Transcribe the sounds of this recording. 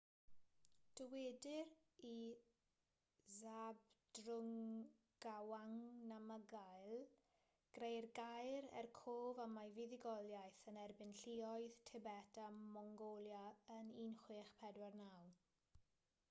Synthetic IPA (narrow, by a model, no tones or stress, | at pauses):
d̥əwedɪr | i | zabd̥rʊŋ | ɡ̥awaŋnaməɡajlˠ | ɡ̥rejrɡajɾɛ̰rkʰoːvamajvɪðɪɡɔlˠjajθənɛrbɪnɬiɔjð̥tʰɛbɛtʰamɔŋɡoljaəniːnχweːχpʰɛdwarnaw